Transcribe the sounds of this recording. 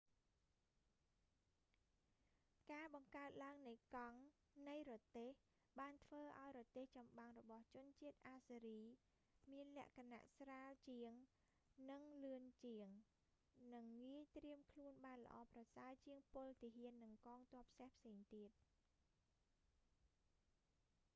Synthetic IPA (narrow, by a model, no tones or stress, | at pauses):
kaːɓɑŋkaət̪̚laəŋnɨjkɑŋ | nɨjrɔt̪eːh | ɓaːnt̪ʰʋəːʔa̰ɔjrɔt̪eːht͡ɕɑmɓaŋrɔɓɑht͡ɕʊ̆ənt͡ɕiət̪̚ʔaːsiɾiː | miənlɛ̆əʔkʰana̰ʔsraːlt͡ɕiəŋ | nɨŋlɨənt͡ɕiəŋ | nɨŋːiəjt̪riəmkʰluənɓaːnlə̆ʔɑːprɑsaət͡ɕiəŋpʊlt̪iəɦiənːɨŋkɑːŋt̪ŏəpʰsehpʰseːŋt̪iət̪̚